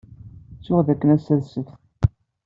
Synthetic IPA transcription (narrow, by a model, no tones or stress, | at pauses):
t͡sːʊʁðækːənæsæðsəθ